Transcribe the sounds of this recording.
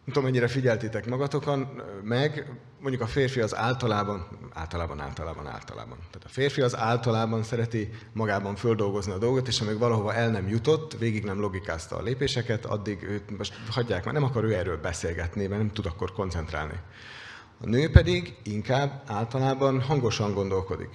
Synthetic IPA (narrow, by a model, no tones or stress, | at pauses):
nɛmt̪omɛɲːiɾɛfiɟɛlt̪it̪ɛkmɒɡɒt̪o̞kɒnmɛɡ | moɲɟukɒfeːrfiɒza̰ːlt̪ɒlaːbɒna̰ːlt̪ɒlaːbɒna̰ːlt̪ɒla̰ːbɒ̰na̰ːlt̪ɒ̰la̰ːbɒ̰nt̪aːt̪ɒ̥feːrfiɒzaːlt̪ɒlaːbɒnsɛɾɛt̪imɒɡaːbɒɱføld̪o̞lɡo̞zniɒd̪o̞lɡot̪eːʃɒmiɡvɒlɒɦo̞vɒʔɛlnɛmjut̪o̞t̪ːveːɡiɡnɛmlo̞ɡikaːst̪ɒ̰ːleːpeːʃɛkɛt̪ʰɒ̰d̪ːiɡøːt̪moʃt̪hɒɟːaːkmaːrnɛmɒkɒɾøːɛrːøːlbɛseːlɡɛt̪nimɛnɛmt̪ud̪ɒkːo̞rko̞nt̪sɛnt̪ra̰ːlnḭ | ɒ̰nøːpɛd̪iɡiŋkaːbːaːlt̪ɒlaːbɒnɦɒŋɡo̞ʃɒŋɡo̞nd̪o̞lko̞d̪ḭk